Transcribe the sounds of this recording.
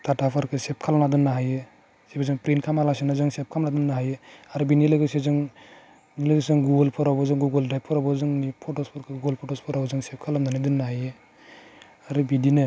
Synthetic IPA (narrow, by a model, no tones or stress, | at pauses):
t̪atapʰɔɾkʰesɛp̚kʰalanad̪ɯnːaɦaje | sibezɔŋpɾinkʰamalasinazɔŋsɛp̚kʰamnad̪ɯnːaɦajeaɾibinilɯɡɯsezɯŋ | nileɡɯsɯŋɡuɡɔlpʰɔɾabɔzɔŋɡuɡɔldɾajp̚ʰːɔɾabɔzɔŋnipʰɔʈɔspʰɔɾkʰeuɡɔlpʰɔʈɔspʰɔɾabɔzɔŋsɛp̚kʰalamd̪anid̪ɯnːaɦaje | aɾibidine